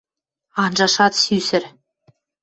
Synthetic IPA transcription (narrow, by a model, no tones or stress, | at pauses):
ɑnʒɑʃɑt̪sysɘ̆ɾ